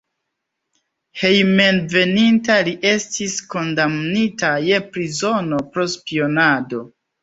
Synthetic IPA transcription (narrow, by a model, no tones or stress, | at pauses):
he̞jme̞nve̞nintaliʔe̞stisko̞ndamnitaje̞pɾizo̞no̞pɾo̞spio̞nado̞